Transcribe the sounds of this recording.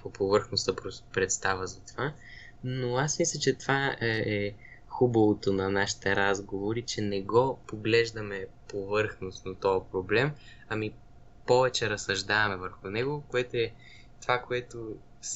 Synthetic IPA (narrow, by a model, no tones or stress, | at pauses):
opovɤɾxnost̪əpɾopɾɛt̪st̪avəzɐt̪ova | noasmislʲɐt͡ʃɛt̪vaɛɛ | xubɐvot̪onɐnaʃi̥t̪ɛɾazɡovoɾit͡ʃɛnɛɡɔpoɡlɛʒd̪ɐmɛpovɤɾxnost̪nɐt̪ɔɐpɾoblɛm | ɐmi | pɔvɛt͡ʃɛɾɐsɐʒd̪avɐmɛvəɾxʊnɛɡokoɛt̪oɛ | t̪ovakoɛt̪o | s